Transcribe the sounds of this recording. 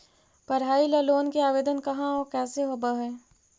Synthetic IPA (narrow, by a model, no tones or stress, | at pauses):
pɐɾɦaːilɐloːnkeaːʋeːd̪ənkɐɦãɔːɾkɛːseɦobaɦɛː